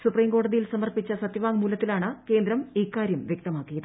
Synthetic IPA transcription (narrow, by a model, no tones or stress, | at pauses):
supriːmko̞ːɽɐðijilsɐmɐrpit͡ɕːɐsɐt̪jɐʋaːŋmuːlɐt̪ːilaːɳɨke̞ːnd̪ɾɐmiːkːaːɾjɐmʋjekt̪ɐmaːkːijɐðɨ